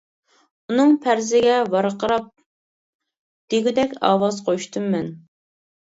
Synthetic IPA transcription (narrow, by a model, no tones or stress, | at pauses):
unɨŋpʰæɾzɪɡʲɛvɑɾqʰəɾɑp̚ | d̪̥eɡʲid̪ɛkʲɑ̰ːwɑzqʰoʃt̪ʰɨmːɛn